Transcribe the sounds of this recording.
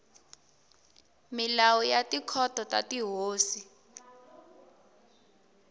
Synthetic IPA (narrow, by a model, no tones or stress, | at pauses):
milawujatikʰɔtʰɔtatiɦoːsi